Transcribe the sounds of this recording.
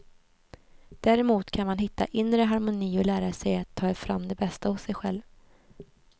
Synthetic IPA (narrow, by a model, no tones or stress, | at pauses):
d̪̥æːɾɪmuːt̪kʰanmanɦɪt̪ːa̰ʔɪnɾəɦaɾmʊniːɔlæːɾasɛjat̪ʰːɑːɛfɾa̰mːd̪ɛbɛst̪ahʊsːɛjɧɛlv